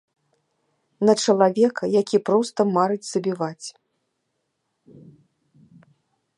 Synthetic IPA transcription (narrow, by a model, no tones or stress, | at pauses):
nɐt͡ʂɐlˠavʲɛkɐjakʲipɾɔst̪ɐmaɾɨd͡zʲz̥ɐbʲivat͡sʲ